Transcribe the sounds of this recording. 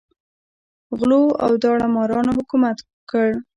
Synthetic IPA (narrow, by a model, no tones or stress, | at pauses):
ɣloa̰wd̪ɑɽamɑɾɑnohʊkumat̪wəkəɽ